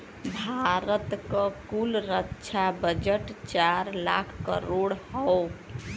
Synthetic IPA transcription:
bʱaɾət̪kəkulɾətːt͡ʃʰabəd͡ʒəʈt͡ʃaɾlakʰkə̰ɾoɽhəo

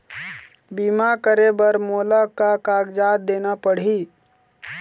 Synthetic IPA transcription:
biːmakəɾebəɾmoːlakakaːɡd͡ʒaːt̪̚d̪eːnapəɽ̤i

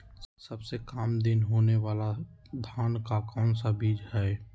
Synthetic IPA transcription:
səbsekaːmd̪ɪnɦoːneʋaːla | d̪ʱaːnkakɔːnsabiːd͡ʒhɛː

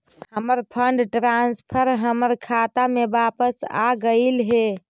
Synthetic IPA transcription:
həməɾpʰəɳɖʈɾanspʰəɾɦəməɾkʰat̪amebapəsa̰ɡəɪlɦe

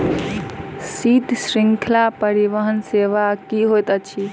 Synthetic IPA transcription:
sit̪sɾiŋkʰlapəɾiʋəɦənseʋakiɦojt̪ət͡ʃʰi

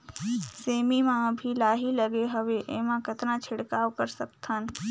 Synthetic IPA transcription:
seːmimãbʱilaːɦiləɡeɦəʋeʔemãkət̪nãt͡ʃʰɪɽkaːwkəɾsəkt̪ʰən

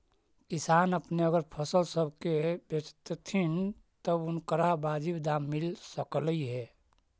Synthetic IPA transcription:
kɪsaːnəpneəɡəɾpʰəsəlsəbʱkebet͡ʃt̪t̪ʰint̪əbʊnkəɾabaːd͡ʒibd̪aːmːɪlsəkliɦɛː

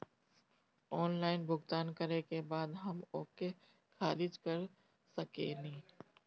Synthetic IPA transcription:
ɔːnlaːɪnbʱʊɡt̪aːnkɐɾekebaːd̪ɦɐmoːke | xaːlɪd͡ʒkɐɾ | sɐkḛnĩː

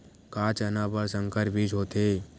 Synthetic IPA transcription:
kaːt͡ʃənãːbəɾsə̃ŋkəɾbʱiːd͡ʒɦoːt̪eː

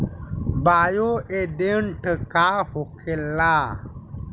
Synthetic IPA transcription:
baːjoeɖeɳʈʰəkaːhokʰelːaː

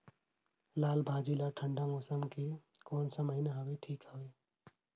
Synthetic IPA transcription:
laːlbʱaːd͡ʒilaʈʰəɳɖamoːsəmke | koːnsəməɪnaɦəweʈʰiːkɦəwe

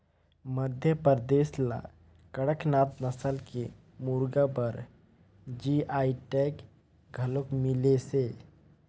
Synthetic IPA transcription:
məd̪ʱjəpəɾd̪eːsla̰ | kəɽəknaːt̪nəsəlke | muɾɡapəɾ | d͡ʒiaːiʈek | ɡʱəlokmilese

